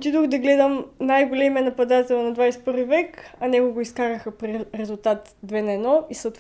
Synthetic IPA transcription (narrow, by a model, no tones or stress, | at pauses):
t̪id̪oxd̪ɐɡlɛd̪əmnajɡolɛmiɛnɐpɐd̪at̪ɛlnɐd̪vajsɛt̪̚pɤɾvivɛkɐnʲɛkoɡoiskaɾəxɐpɾiɾɛzʊlˠt̪at̪ | d̪vɛnɐɛnɔisət̪